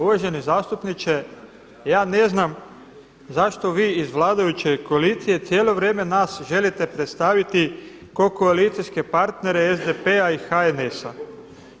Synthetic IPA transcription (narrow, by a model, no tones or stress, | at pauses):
uʋaʒenizaːst̪upnit͡ʃe | jaːne̞znam | zaʃt̪o̞ʋiːizʋlˠaːd̪ajut͡ɕe̞ko̞aliːt̪sije̞t̪sʲjeːlo̞ʋɾjeːme̞naːsʒe̞lit̪e̞pɾet̪st̪aʋit̪i | ko̞koalit̪sijske̞paɾt̪ne̞ɾe̞ezd̪epeaixaene̞sa